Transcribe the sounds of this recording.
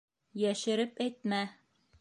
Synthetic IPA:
jæʃɘ̆ɾɘpæjt̪̚mæ

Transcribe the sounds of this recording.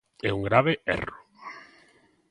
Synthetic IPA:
ɛuŋɡɾaβeɛ̰ro

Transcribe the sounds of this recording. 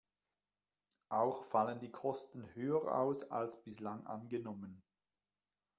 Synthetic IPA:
ʔaʊxfaləndiːkʰɔstn̩høːəʁʔa̰ʊsa̰lsb̥ɪslaŋʔa̰nɡənɔmən

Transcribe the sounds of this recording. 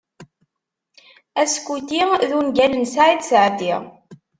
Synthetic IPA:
æskːut̪iðunɡælənsaʕid̪səʕd̪iʁ

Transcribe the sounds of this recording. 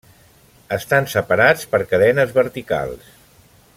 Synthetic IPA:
əst̪ansəpəɾat͡spəɾkəðɛnəzβəɾt̪ika̰lˠs

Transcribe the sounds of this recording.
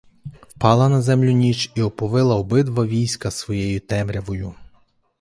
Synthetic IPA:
wpɑlˠɐnɐzɛmlʲʊnʲit͡ʃiɔpɔʋɪlˠɐɔbɪd̪ʋɐʋʲijsʲkɐsʋɔjɛjʊt̪ɛmɾʲɐʋɔjʊ

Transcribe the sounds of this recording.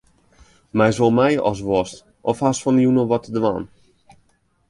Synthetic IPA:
mɛjsʋolˠmɛjɔs̬ʋɔst | ʔɔfhasfɔnjunəʋɔtdəʋa̰n

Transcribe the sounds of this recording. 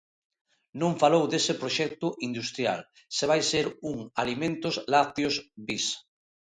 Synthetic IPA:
nõɱfalowd̪esepɾoʃɛk̚t̪ʊʔind̪ust̪ɾja̰l | seβ̞ajseɾuŋalimẽnt̪oslaθjosbis

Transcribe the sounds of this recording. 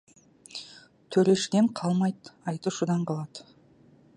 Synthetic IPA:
t̪ʰɵɾe̞ʃɪd̪eɴqʰɑlˠmɑjt̪ɑjt̪uʃud̪ɑɴqʰɑlˠɑd̪

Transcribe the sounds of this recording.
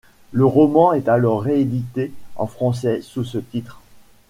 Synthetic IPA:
ləʁɔmɑ̃ɛt̪alɔʁːeed̪it̪eɑ̰̃fχɑ̃s̬ɛsusət̪it̪χ

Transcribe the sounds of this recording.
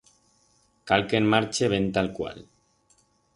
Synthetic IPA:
kalkemmaɾt͡ʃeβent̪alkwa̰l

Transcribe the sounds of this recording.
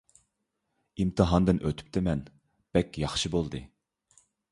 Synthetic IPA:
imt̪ʰɨɦɑnd̪ɨnʔøt̪ʰy̥p̚t̪ʰɪmɛn | b̥ɛkʲjɑχʃɨbolˠd̪ɨ

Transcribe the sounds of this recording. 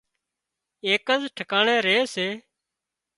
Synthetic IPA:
eːkəzʈʰəkaːɳẽːɾeːseː

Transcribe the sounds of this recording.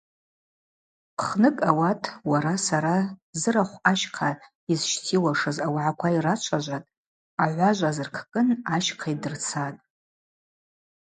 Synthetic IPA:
pʰχnɨkʼawatʰwaɾasaɾazɨɾaχʷaʃqʰa | izʃtʰiwaʂɨzawʕakʷʰairat͡ʃʷʰaʒʷatʼ | aʕʷaʒʷazɨrkʰkʼɨnaʃqʰaidɨrt͡sʰatʼ

